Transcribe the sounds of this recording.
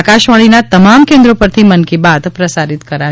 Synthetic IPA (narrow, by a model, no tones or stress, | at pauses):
kaʃʋaɭ̃inat̪əmamkɛ̃nd̪ɾopəɾt̪ʰimənkibad̪pɾəsaɾit̪kəɾa